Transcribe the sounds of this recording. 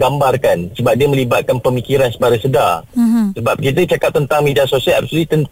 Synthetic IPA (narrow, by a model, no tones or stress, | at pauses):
ɡambarkansəbap̚diəmə̃libat̪̚kanpəmikiɾansəbaɾajsədarsəbap̚kit̪̬ət͡ʃakap̚t̪ənt̪aŋmediasosiala̰p̚sulit̪ənt